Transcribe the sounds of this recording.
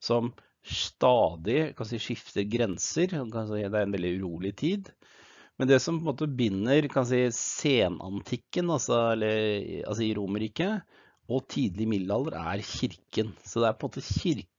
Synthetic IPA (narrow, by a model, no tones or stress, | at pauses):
sɔm | ʂt̪ɑːd̪ɪkʰɑnsiːʂɪft̪əɾɡɾɛnsəɾɔkɑid̪ɛæɾɛnʋɛld̪ɪʉɾuːlɪt̪ʰiːd̪ | mɛnd̪ɛsɔmpʰɔɛnmoːt̪əbʏnːəɾkʰɑnsiːəseːnʔɑ̰nt̪ʰɪkːənɑsɔɛlːəɾ̰ɑ̰ls̬ɔɪɾuːməɾiːkə | ɔt̪ʰiːd̪lɪəmɪd̪lhɑlːəɾæ̰ɾçɪɾkənsɔd̪ɛæɾpʰɔnmoːt̪əçɪɾ